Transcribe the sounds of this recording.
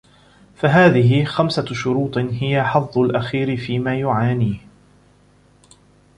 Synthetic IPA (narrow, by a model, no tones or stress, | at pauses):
faɦaːðɪɦɪxamsaʃʊɾuːt̪ˤɦɪjaħɑðˤːʊlʔaxiːɾɪfiːmaːjʊʕaːniː